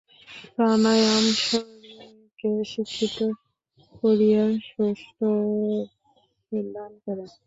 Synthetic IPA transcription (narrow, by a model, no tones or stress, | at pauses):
pɾanajamʃɔ | keʃikʰːit̪o | koɾijaʃoʃʈʰo | ed̪ankɔɾen